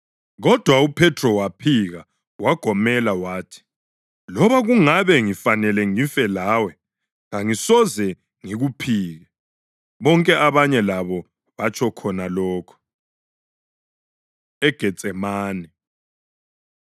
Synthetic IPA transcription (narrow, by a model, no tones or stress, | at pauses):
ɣɔd̥ʱwaupʰɛtʰrɔwapʰiɣa | waɡ̥ʱɔmɛlawaːtʰi̥ | lɔβaɣuŋaβɛŋifanɛlɛŋiɱfɛlaːwɛ | ɣaŋisɔzɛ | ŋiɣupʰiːɣɛ | βɔŋkʼɛʔaβaɲɛlaβɔ | βat͡ʃʼʰɔkʰɔnalɔːkʰɔ̥ | ɛɡ̥ʱɛt͡sʼɛmaːnɛ